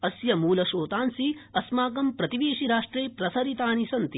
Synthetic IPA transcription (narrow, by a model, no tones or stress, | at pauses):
ɐsjɐmuːlɐʃoːt̪aːnsiɐsmaːkɐmpɾɐt̪iʋeːʃiɾaːʂʈɾeːpɾɐsɐɾit̪aːnisɐnt̪i